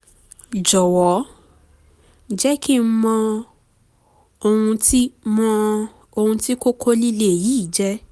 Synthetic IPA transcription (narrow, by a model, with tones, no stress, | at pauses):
d͡ʒɔ˨wɔ˨˦ | d͡ʒɛ˦ki˦˨m̩˦mɔ̃˧ | o˧hũ˧ti˦mɔ̃˧ | o˧hũ˧ti˦ko˦kʰo˦li˦le˦˨ji˨˦˨d͡ʒɛ˦